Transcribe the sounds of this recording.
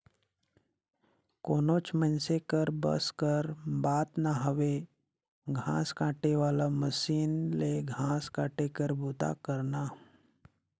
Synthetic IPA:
koːnoːt͡ʃmənsekəɾbə̰skəɾbaːt̪naɦəʋe | ɡʱã̰ːskaːʈeʋaːlaməsiːnleɡʱãːskaːʈekəɾbuːt̪a̰kəɾnaː

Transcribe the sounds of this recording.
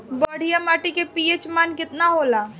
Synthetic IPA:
bɐɽ̤ijamaːʈikepiːet͡ʃmaːnkɪt̪naɦoːlaː

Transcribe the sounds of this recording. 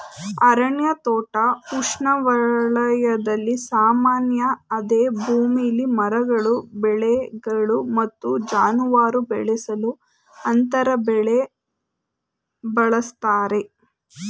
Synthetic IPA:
ɐɾɐɳjɐt̪ɔːʈɐkuʂɳɐʋɐɭɐjɐd̪ɐlːisaːmaːnjɐːd̪eːbʱuːmiɐlːimɐɾɐɡɐɭubɛɭɛɡɐɭumɐt̪ːud͡ʒaːnuʋaːɾubɛɭɛsɐlu | ɐnt̪ɐɾɐbɛɭe | bɐɭɐst̪aːɾe̞

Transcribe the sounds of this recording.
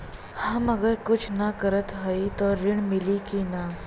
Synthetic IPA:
hãməɡəɾkut͡ɕʰnakəɾət̪ɦəit̪ɔɾiɳmilikina

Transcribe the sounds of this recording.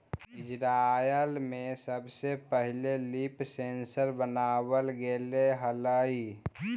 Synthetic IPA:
ɪd͡ʒɾajəlmesəbsepəɦɪlelipsensəɾbənaːwəlɡeleɦələi

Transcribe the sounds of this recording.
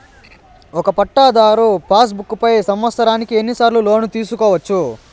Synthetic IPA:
ɔkɐpɐʈːaːd̪aːɾupʰaːs̬bukːupɐjsɐmʋɐt̪sɐɾaːnikie̞nːisaːɾlulo̞ːnut̪iːsukɔːʋɐt͡ʃːu

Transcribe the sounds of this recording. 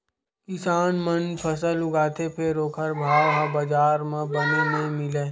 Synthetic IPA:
kɪsaːnmənpʰɐs̬əlʊɡaːt̪ʰepʰeɾoːkʰəɾbʱaːwɦãbɐd͡ʒaːɾmẽbɐnemẽmɪleː

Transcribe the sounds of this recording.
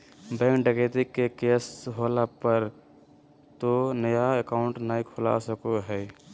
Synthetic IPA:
bɛ̃ːŋkɖəket̪ikːekeːsɦolapəɾ | t̪onəjaekaːʊɳʈnaikʰola̰səkoɦɛː

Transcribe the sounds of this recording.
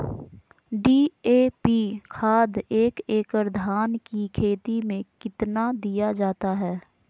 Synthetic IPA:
ɖiːeːpikʰaːd̪eːkeːkəɾd̪ʱaːnkikʰeːt̪imẽkɪt̪nad̪ijad͡ʒaːt̪aɦɛː

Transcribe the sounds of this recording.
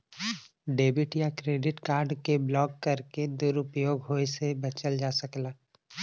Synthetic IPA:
ɖeːbɪʈjakɾeːɖɪʈkaːɾɖkeblɔːkːɐɾked̪ʊɾʊpjoːɡɦoːesebɐt͡ʃəld͡ʒaːsɐklaː

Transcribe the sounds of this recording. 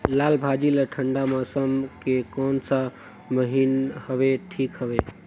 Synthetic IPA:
laːlbʱad͡ʒiləʈʰəɳɖaməsəmkekɔnsa | məɦinhəbeʈʰiːkɦəbe

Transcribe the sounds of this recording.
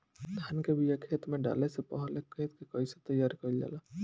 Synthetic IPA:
d̪ʱaːnkebʱijakʰeːt̪mẽɖa̰ːlesepəɦlekʰet̪kekəɪset̪əjːaːɾkəild͡ʒa̰ːla

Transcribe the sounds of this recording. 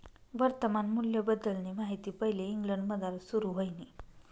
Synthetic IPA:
ʋəɾt̪əmanmuljəbəd̪ːəlnemaɦit̪iːpəɦileiŋɡləɳɖməd̪aɾsuɾuɦojni

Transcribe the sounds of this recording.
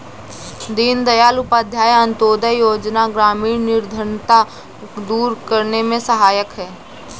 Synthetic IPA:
d̪iːnd̪əjaːlʊpaːd̪ʱjaːjə̃nt̪oːd̪əjoːd͡ʒnaɡɾaːmiːnnɪɾd̪ʱəɾnt̪a | d̪uːɾkəɾnemẽsəɦaːjəkɦɛː

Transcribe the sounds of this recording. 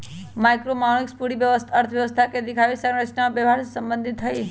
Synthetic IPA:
majkɾomaɳ̃ikspuɽiʋjəʋəst̪ʰəɾt̪ʰʋjəʋəst̪ʰaked̪ikʰaʋisənɾəsnamabəʋaɾsəmbə̃nd̪ʱit̪ʰːəi

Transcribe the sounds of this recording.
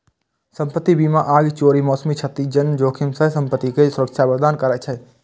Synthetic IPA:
səmpət̪ːibiːmaʔaːɡt͡ʃoːɾimɔːsəmit͡ʃʰət̪id͡ʒənd͡ʒoːkʰimsəɦsə̃mpət̪ːikesʊɾəkt͡ʃʰabəɾd̪aːnkəɾət͡ʃʰɛ

